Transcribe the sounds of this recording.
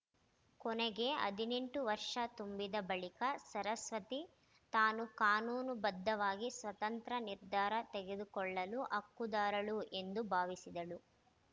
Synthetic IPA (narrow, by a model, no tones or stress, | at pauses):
kɔnɛɡe̞ɐ̰d̪ʱine̞ɳʈuʋɐɾʂɐt̪umbid̪ɐbɐɭikɐsɐɾɐsʋɐt̪i | t̪aːnukaːnuːnubɐd̪ːɐʋaːɡisʋɐt̪ɐnt̪ɾɐniɾd̪ʱaːɾɐt̪eɡe̞d̪ukɔɭːɐluʔɐkːud̪aːɾɐɭue̞nd̪ubʱaːʋisid̪ɐlu